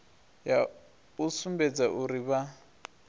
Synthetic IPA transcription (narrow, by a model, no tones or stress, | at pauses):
ja | usumbɛd͡zaʔuɾiβa